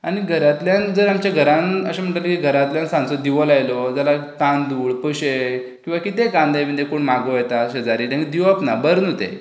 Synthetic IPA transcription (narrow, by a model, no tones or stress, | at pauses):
aɽ̃iɡʱəɾat̪ljand͡zəɾamt͡ɕjaɡʱəɾãnəɕem̤əʈalekiɡʱəɾãt̪ljãnsãnt͡sɔd̪iʋɔlajlɔd͡zalat̪ãnd̪uːɭpəɕe | kĩw̃ʋakit̪eɡãnd̪ajm̤əd̪d̪ekoɳmaɡojɛt̪aɕəd͡zaɾiːd̪ãŋd̪iʋapnabəɾnot̪ḛ